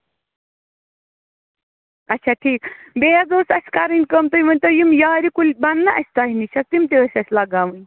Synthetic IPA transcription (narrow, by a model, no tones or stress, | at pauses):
ɐtt͡ʃʰaʈʰiːkbeɦɐzoːsɐsʲkaɾɨnʲkəmt̪ɐjimɐnʲt̪əjimjaːɾikulʲbɐnːɐʔɐsʲt̪aːɦinit͡ʃʰɐt̪imt̪eəsʲɐsʲlɐɡaːmɨnʲ